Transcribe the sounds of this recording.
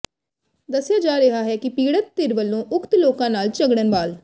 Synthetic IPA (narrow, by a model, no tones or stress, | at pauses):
d̪əsːɪjaːd͡ʒaːɾəɦaːɦɛːkɪpiːɽət̪̚ːɪɾʋəlːõːʔʊkt̪loːkãːnaːlt͡ʃəɡɽənbaːl